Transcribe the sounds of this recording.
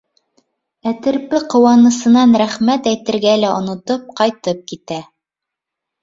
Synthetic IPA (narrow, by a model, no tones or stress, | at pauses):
æt̪ɘ̆ɾpɘqŏwɑnɤ̆sɤ̆nɑnɾæχmæt̪æjt̪ɘ̆ɾɡælæʔŏnŏt̪op̚qɑjt̪ɤp̚kit̪æ